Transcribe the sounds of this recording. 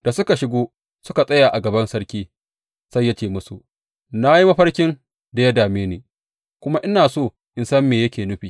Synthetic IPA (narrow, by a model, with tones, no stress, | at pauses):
d̥a˨sʊ˦ka˨ʃɪ˦ɡʷoː˦ | sʊ˦ka˨sʼɐ˦jaː˨ʔa˨ɡɐ˨bɐ˦nsɐ˦ɽkʲiː˦ | sa˦jːa˦t͡ʃeː˦˨mʊ˦su˨ | na˦ji˦mɐ˦ɸɐ˦rkʲɪ˦n | da˨ja˦daː˨meː˦neː˨ | kʷʊ˦ma˦ʔɪ˦naː˨soː˦˨ | ʔɪ˨nsɐ˦mːeː˨jɐ˦kʲeː˨nʊ˦ɸiː˨